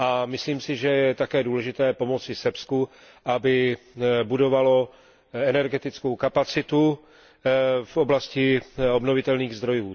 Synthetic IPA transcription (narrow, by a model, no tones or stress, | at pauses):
ʔamɪsliːmsɪʒɛjɛt̪akɛːduːlɛʒɪt̪ɛːpo̞mo̞t͡sɪsɛpsku | ʔabɪbudo̞valo̞ | ɛnɛɾɡɛt̪ɪt͡sko̞wkapat͡sɪt̪u | fʔo̞blascɪo̞bnovɪt̪ɛlniːɣzd̪ɾo̞juː